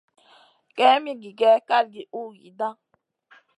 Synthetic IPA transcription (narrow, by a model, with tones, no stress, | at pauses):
kɛ˦mi˦ɡi˨ɡɛ˦ka˦lɡi˨ʔu˦ɡḭ˨dã˦